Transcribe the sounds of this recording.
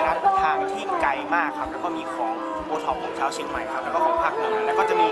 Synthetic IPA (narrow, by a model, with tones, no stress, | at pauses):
kaː˧n˧p̪ʰaː˧˩ŋt̪ʰiː˥˩ka˧jmaː˥˩kʰːa˦˥p̚lɛː˧˦˥kɔː˥˩miː˧kʰɔː˩˦ŋ | puː˧t̪ʰɔ˧˩p̚kʰɔː˩˦ŋt͡ɕʰaː˦˥wt͡ɕʰi˧ŋma˧jkʰa˦˥p̚lɛː˧˦˥kɔ˥˩kʰːɔː˦˨˦pʰa˦˥k̚nɯ˧˩ŋna˧˩nla˧˥˩kɔ˥˩t͡ɕa˨˩ʔmiː˧